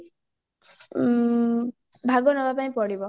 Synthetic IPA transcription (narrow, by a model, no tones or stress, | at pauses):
bʱaɡɔnɔbapaĩpɔɽibɔ